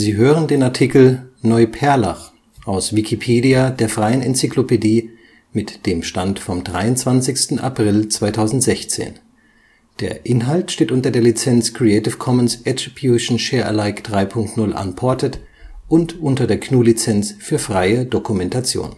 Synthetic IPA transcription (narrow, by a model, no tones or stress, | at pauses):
ziːɦøːʁəndeːnaɐtʰikl̩nɔʏpʰɛɐla̰χ | ʔaʊsv̥ikʰipʰeːdiadeːɐfʁ̥aɪənɛnt͡siklopediː | mɪtd̥eːmʃtantfɔmdʁaɪʊntt͡sv̥ant͡sɪçstn̩ʔa̰pʁ̥ɪlt͡sv̥aɪtʰaʊzn̩tz̥ɛçt͡sḛːn | d̥eːɐʔɪnɦaltʃteːtʔʊntɐdeːɐlit͡sɛnt͡skʁ̥iɛɪtɪfkʰɔmənsʔɛtib̥juʃn̩ʃɛːɐʔə̰laɪkd̥ʁaɪpʰʊŋktnʊlʔa̰npʰɔɐtət | ʔʊntʔʊntɐdeːɐkʰnuːlit͡sɛnt͡sfyːɐfʁ̥aɪədokumɛntat͡sjo̰ːn